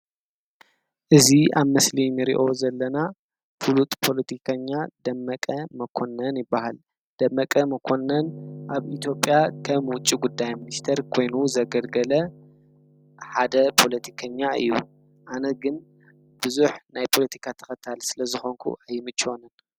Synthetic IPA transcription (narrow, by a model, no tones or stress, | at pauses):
ʔɨzia̰βmɐslinɨɾḭʔo̞zɐlːɐna | fulut̪ʼpʰo̞lɐt̪ʰikʰɐɲːad̪ɐmːɐkʼɐmɐkʰo̞nːɐnjɪbːahal | d̪̥ɐmːɐkʼɐmɐkʰo̞nːɐnʔaβit̪ʰjo̞pʼjakʰɐmwʊt͡ʃʼːiɡud̪ːajminist̪ʰɐɾkʰo̞jnuzɐɡɐlɡɐlɐ | ħad̪ɐpʰo̞lɐt̪ʰi̥kʰɐɲːaʔɨ̰jːṵ | ʔanɐɡɨn | b̥ɨzuħnajpʰo̞lɐt̪ʰi̥kʰat̪ʰɐ̥kɐt̪ʰalsɨlɐzɨxo̞ŋkʰṵʔajːmɨt͡ʃʼːwonɐn